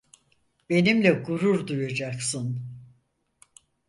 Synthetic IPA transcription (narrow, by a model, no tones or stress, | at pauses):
be̞nimlʲɛɡuɾuɾd̪ujad͡ʒaksɯn